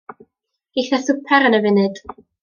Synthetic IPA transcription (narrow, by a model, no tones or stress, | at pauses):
ɡ̥ejθɛθʊpʰɛɾənəvɪnɨd̥